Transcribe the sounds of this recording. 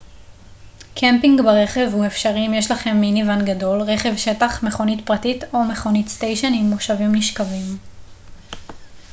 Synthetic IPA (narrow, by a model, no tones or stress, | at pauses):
kʰempiŋɡbaʁe̞χe̞vhuefʃaʁimjeʃlaχe̞mːinivanɡado̞lʁe̞χe̞vʃe̞taχme̞χonitpʁatito̞me̞χonitstejʃonimoʃavimniʃkavim